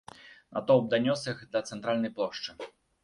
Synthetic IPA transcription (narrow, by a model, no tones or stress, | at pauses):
na̰t̪ɔb̚d̪anʲɔsɨxd̪ɐt̪sɛnt̪ɾalʲnɐjplˠɔʂt͡ʂɨ